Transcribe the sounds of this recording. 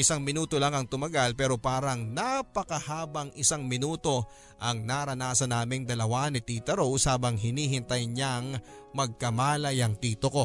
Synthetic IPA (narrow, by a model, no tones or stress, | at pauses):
ʔɪsaŋmɪnuːt̪o̞laŋɐŋt̪ʊmɐɡalpɛːɾo̞paːɾɐŋnapɐkɐhaːbɐŋɪsaŋmɪnuːt̪o̞ | ʔɐŋnaɾɐnaːsɐnaːmɪŋd̪ɐlɐwanɪt̪iːt̪ɐɾowshaːbɐŋɦɪniːɦɪnt̪ɐjɲaŋ | mɐɡ̚kɐmaːlɐjɐŋt̪iːt̪oko̞